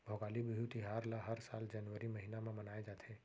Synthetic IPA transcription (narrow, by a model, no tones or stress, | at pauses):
bʱoɡaːlibɪbʱut̪iɦaːɾlaɦəɾsaːld͡ʒənʋəɾiməɦinamẽmənaːed͡ʒaːt̪ʰeː